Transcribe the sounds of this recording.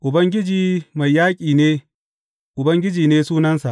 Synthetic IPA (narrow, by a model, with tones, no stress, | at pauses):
ʔʊ˨bɐ˦ŋɡʲɪ˦d͡ʒiː˨ma˨jːaː˦kʲʼiː˨neː˦ | ʔʊ˨bɐ˦ŋɡʲɪ˦d͡ʒiː˨neː˦suː˦nɐ˦nsa̰˨ʔ